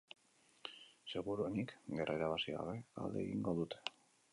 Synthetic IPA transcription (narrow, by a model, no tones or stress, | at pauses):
se̞ɣuɾuenikɡe̞rʔaeɾaβasiɣa̰βe̞a̰ld̪e̞ːɣḭŋɡo̞ðut̪e̥